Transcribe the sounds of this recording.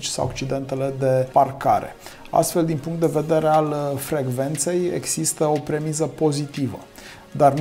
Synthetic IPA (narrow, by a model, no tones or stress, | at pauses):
t͡ʃʲsa̰wa̰k̚t͡ʃid̪e̞nt̪e̞le̞d̪e̞parka̰ɾḛ | a̰st̪fe̞ld̪inpuŋkt̪d̪e̞ve̞d̪e̞ɾealfɾe̞ɡve̞nt̪se̞jḛɡz̥ist̪əo̞pɾe̞mizəpo̞zit̪ivə̰ | d̪arn